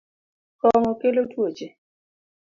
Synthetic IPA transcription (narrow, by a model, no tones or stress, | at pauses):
kɔŋɔkelotwot͡ʃe